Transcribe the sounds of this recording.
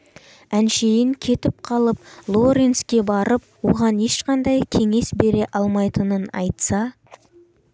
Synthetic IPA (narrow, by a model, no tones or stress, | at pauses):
ænʃejɪŋkʲʰe̞t̪ɪp̚qʰɑlˠəp̚lˠo̞ɾenskʲe̞bɑɾəp̚wo̞ʁɑne̞ʃqɑnd̪ɑjkʲʰe̞ŋe̞sbe̞ɾe̞ʔɑlˠmɑjt̪ənənɑ̰jt̪sɑ